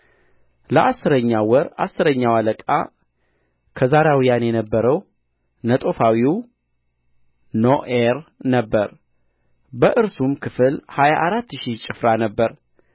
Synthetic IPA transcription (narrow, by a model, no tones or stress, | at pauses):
ləʔasːɨɾəɲːawɔɾasːɨɾəɲːawaləkʼa̰ | kʰəzaɾawijanjɛnəbːəɾəw | nət̪ʼo̞fawiw | noʔeɾnəbːəɾ | bəʔɨɾsumkʰɨfɨlhajaʔːɾat̪ːɨʃit͡ʃʼɪfɾanəbːəɾ